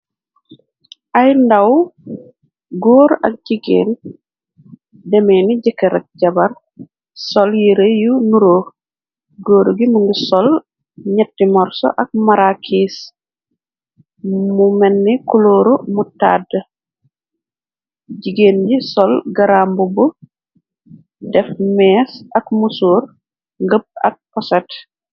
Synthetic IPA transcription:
ʔajndaw | ɡoːɾɐ̰k̚ɟiɡḛːn | dɛmɛniɟɛkːɛɾɐk̚ɟɐbɐɾ | sɔljiɾejunuɾoː | ɡoːɾuɡimuŋɡusɔl | ɲɛtːimɔɾsɔ̰ʔɐk̚maɾakʰiːs | mumɛnːikuloːɾumuta̰dːə | ɟiɡenɟisɔlɡɐɾambubu | dɛfmɛːsɐkmusuːɾ | ŋɡəp̚ɐ̰k̚pɔsɛt

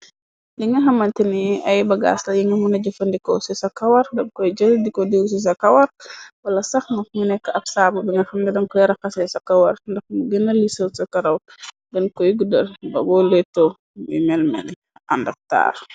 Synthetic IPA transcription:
liŋɐɦɐmɐntiniɐjbɐɡa̰ːslɐjiŋɐmunɐɟɐfɐndikɔsisɐkɐwɐɾdɐŋkɔjɟəldikɔdiws̬is̬ɐkɐwɐrwɐlɐsɐxŋɐfmunɛkːəʔɐp̚saːbɐbiŋɐxɐmnidɐŋkɔjɾɐxɐsɛsɐkɐwɐɾndɐxmuɡənɐlisɐwsɐkɐɾɐw | ɡɐnkɔjɡudɐɾbɐ̰bɔlɛtːo | mḭmɛlmɛ̰l | ɐ̰ndɐk̚ta̰ːr

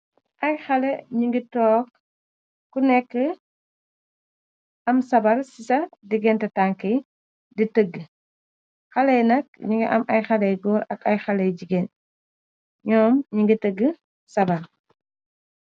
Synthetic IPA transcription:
ʔɐjxɐlɛɲiŋɡitɔːk̚ː | unɛkːə | ʔɐmsɐbɐɾsisɐdiɡɛntɐtaŋkɛ | ditəɡːə | xɐlɛjnɐk̚ɲiŋɡiʔɐ̰mʔɐjxɐlɛjɡɔːlɐkɐjxɐlɛjd͡ʒiɡen | ɲɔːmɲiŋɡitəɡːə | sɐbɐɾ

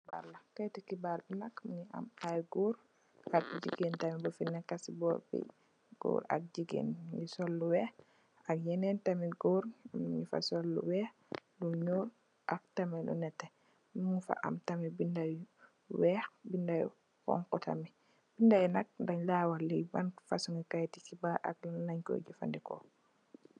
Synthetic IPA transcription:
ba̰ɾlakatɛkibaɾbinakmiɲiʔa̰majɡoɾ | ʔakd͡ʒḭɡentamibɔfinːɛkːasibɔɾbḭ | ɡ̥ɔ̰ɾa̰k̚d͡ʒiɡḛnɲisɔlːuwɛx | akjɛnɛntamiɡoɾamɲifa̰sɔlːṵwɛx | luɲoɾ | ʔak̚tamilṵnɛtːɛ | muŋfa̰ʔa̰mtamibindaj | wɛːxbindaj̰ | kɔ̰ŋkɔta̰mi | b̥indajnak̚daɲlawalːijbanfasuŋɡikajtikibaʔa̰k̚llaɲko̰ɟifa̰ndikɔ̰

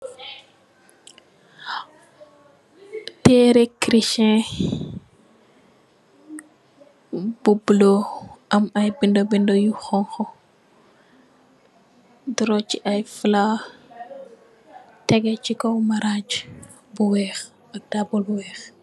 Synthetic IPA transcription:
tɛɾekɾiʃɛ̃ | bubloʔɐmɐjbindobindɔjuxɔŋxɔ | dɔɾɔt͡ʃiʔajfla | tɛɡɛt͡ʃikɔwmaɾad͡ʒ | buwɛːx | ɐk̚dabɔlbuwɛːx

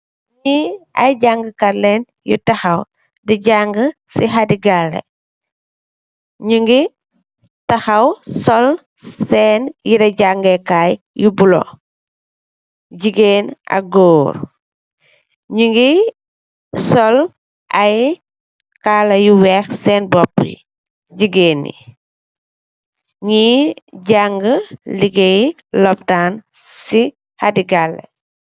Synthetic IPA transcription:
ɲiɐ̰jɟaŋɡəkɐlɛn | jṵtɐxɐw | diɟaŋɡəsiɦadiɡalːɐ̰ | ɲuŋɡi | tɐxɐwsɔl | sɛːnjiɾɐɟaŋɡɛkaj | jubulɔ̰ | ɟiɡeːnɐ̰ɡɔːɾ | ɲiŋɡi | sɔl | ʔɐj | kalɐjuwɛxsɛːnbɔpː | ɟiɡeːnḭ | ɲiɟaŋɡəliɡɛj | lɔp̚taːn | si | hadiɡalːḛ

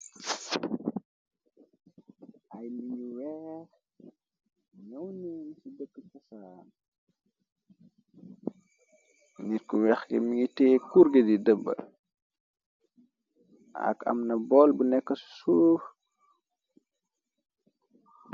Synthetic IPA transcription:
ɐjmiŋiwɛx | ɲɐwniːnsudəkːəkɐsaːn | niɾkuwɛxɡɛ̰miŋitɛːkuɾɡedidəbːə̰ | ɐ̰kɐ̰mnɐbɔlbunɛkːəsu̥suːf

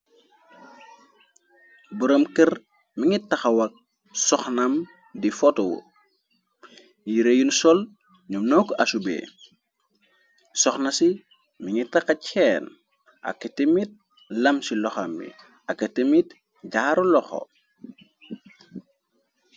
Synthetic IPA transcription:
buɾəmkər | miŋitːɐxɐwɐk̚ | sɔxnɐm | difɔtɔwo̰ | jiɾejunsɔl | ɲumnɔːkʔɐsubḛː | sɔxnɐsi | miŋitɐxɐcʰɛːn | ʔɐ̰kːɐtəmit̚ | lɐmsilɔxɐmbḭ | ɐkːɐtəmit | ɟaːɾulɔxɔ̰

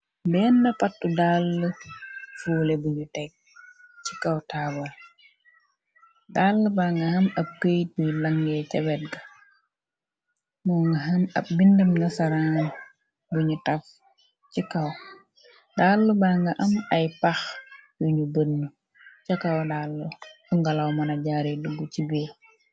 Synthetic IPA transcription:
bɛːnːɐfatːudalːəfuːlɛbuɲutɛk̚t͡ʃikɐwtaːbɐl | dalːəbaŋɡɐhɐmɐb̚kəjt̚bujlɐŋɡɛcɛbɛt̚ɡɐ | mɔːŋɡɐɦɐmɐ̰b̚bindɐmnɐsɐɾaːn | buɲutɐf | cikɐw | dalːubaŋɡɐʔɐmɐjpɐxjuɲubənːu | t͡ʃɐkɐwdaːlːufuŋɡɐlɐwmɐnɐɟaɾiduɡucibiː

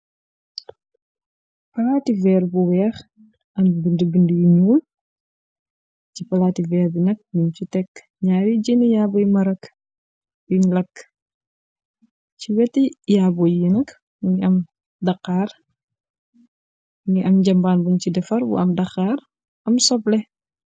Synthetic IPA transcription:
pɐlaːtivɛːɾbuwɛːx | ʔɐmbindəbindəjiɲuːl | cipɐlaːtivɛːɾbinɐk̚muɲt͡ʃitɛkː | ɲaːɾiɟinijaːbɔjmɐɾɐk | biɲlɐkː | ciwɛtijaːbɔjjinɐk | ŋiɐm | dɐqːaːr | niʔɐmɟɐmbaːnbuɲcidɛfɐɾwṵɐmdɐxaːɾ | ɐmsɔplɛ

